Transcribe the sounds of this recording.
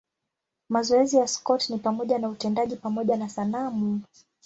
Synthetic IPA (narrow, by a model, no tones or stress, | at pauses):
mazɔɛzijaskɔtnipamɔʄanautɛndaʄipamɔʄanasanamu